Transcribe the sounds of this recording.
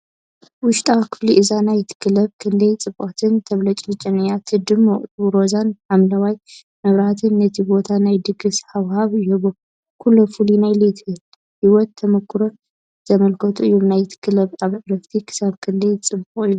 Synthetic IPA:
wʊʃt̪ʼawkʰɨ̥fliʔɨzanajt̪ʰɨ̥kʰɨlɐβkʰɨndejt͡sʼɨbʔot̪ʰɨnt̪ʰɐβlɐt͡ʃʼlɨt͡ʃʼɐnɨjat̪ʰɨd̪ɨmoʔʼt̪ʼuɾo̞zanħamlɐwaj | mɐβɾat̪ʰɨnːɐt̪ʰibo̞t̪ʰanajd̪ɨɡɨsħawhaβɨjubo | kʰulːofulinajlet̪ʰɨhɨl | hiwɔt̪ʰːɐmɐkʰːɨɾo | z̥ɐmɐlkʰɐt̪ʰuɨjːomnajt̪ʰɨ̥kʰɨlɐβaβʕɾɐft̪ʰikʰɨ̥saβkʰɨndejt͡sʼɨbuχʼɨjːu

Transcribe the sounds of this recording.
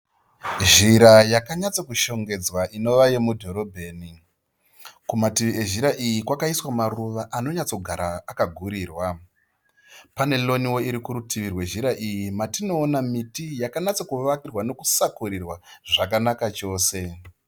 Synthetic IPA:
ʒiɾajakaɲat͡sokuʃo̞ŋɡe̞d͡zwaʔino̞ʋajemudʱo̞ɾo̞bʱe̞ːni | kumatiʋie̞ʒiɾaʔijikwakaiswamaruʋaʔano̞ɲat͡so̞ɡʱaɾaːkaɡʱuɾiːrwa | pane̞lo̞niwo̞iɾikuɾutiʋirwe̞ʒiɾaʔijimatino̞ːnamitijakaɲat͡sokuʋakirwano̞kusakuɾirwaʐakanakat͡ʃo̞ːse̞

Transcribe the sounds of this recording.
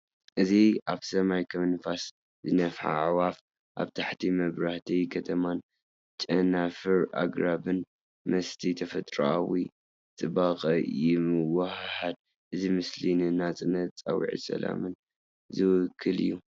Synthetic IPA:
ʔɨziʔaβsɐmajkʰɐmɨnfas | zɨnɐfħa̰ʕwaf | ʔa̰βt̪ʰaħt̪ʰimɐβɾaht̪ʰijkʰɐt̪ʰɐman | t͡ʃʼɐnafɨɾa̰ɡɾabɨn | mɐst̪ʰit̪ʰɐfɐt̪ʼɾa̰awi | t̪ʼɨbaqʼɐjɪmɨwahħad̪̚ | ʔɨzimɨslinɨnat͡sʼɨnɐt̪t͡sʼa̰wḭʕḭsɐ̰la̰mɨn | zɨwʊkʰːɨlɨ̰jːu

